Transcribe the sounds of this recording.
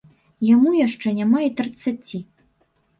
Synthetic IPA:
jamujaʂt͡ʂɛnʲamait̪ɾɨt̪sat͡sʲi

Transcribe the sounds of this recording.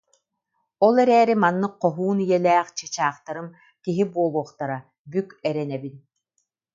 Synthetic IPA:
ɔlˠɛɾɛːɾimanːɯq̚qːɔɦuːnijɛlɛːχt͡ɕɯt͡ɕaːχt̪aɾɯm | kiɦibuɔlˠuɔχt̪aɾa | bykɛɾɛnɛbin

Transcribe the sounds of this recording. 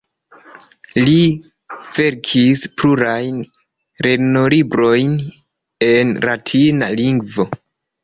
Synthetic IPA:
li | v̥e̞ɾkʰispluɾajn | ɾe̞nolibɾo̞jn | e̞nɾatʰina̰liŋɡvo̞

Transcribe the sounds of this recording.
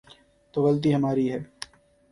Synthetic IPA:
t̪oːɣɐlt̪̬iɦɐmaːɾiɦɛː

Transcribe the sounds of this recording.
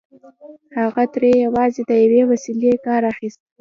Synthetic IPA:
haɣat̪ɾejawɑzed̪əjawewasilekɑɾaxist̪

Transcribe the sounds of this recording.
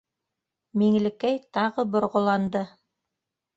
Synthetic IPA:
miŋlɘ̆kæjt̪ɑʁɤbŏɾʁŏlˠɑnd̪ɤ

